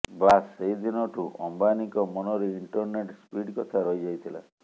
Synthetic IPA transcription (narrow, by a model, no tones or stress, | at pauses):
baseɦid̪inɔʈʰuʔɔmbanikɔmɔnɔɾeiɳʈɔɾneʈspiɽkɔt̪ʰaɾɔɦid͡ʒait̪ʰila̰